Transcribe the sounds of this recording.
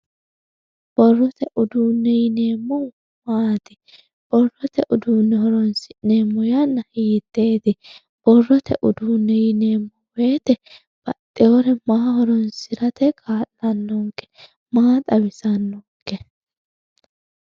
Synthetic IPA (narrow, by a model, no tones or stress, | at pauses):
b̥ɔrːɔt̪ɛʔʊd̪uːnːɛjɪneːmːɔ | maːt̪ɪ | b̥ɔrːɔt̪ɛʔʊd̪uːnːɛhɔɾɔnsɪneːmːɔjɐnːɐhiːt̪ːeːt̪ɪ | b̥ɔrːɔt̪ʰɛ̰ʔʊd̪uːnːɛjɪne̞ːmːɔweːt̪ɛ | b̥ɐt̪ʼːɛɔɾɛmaːhɔɾɔnsɪɾɐt̪ɛkʰʼaːlːɐnːɔŋkːɛ̥ | maːt̪ʼɐwɪsɐnːɔŋkːɛ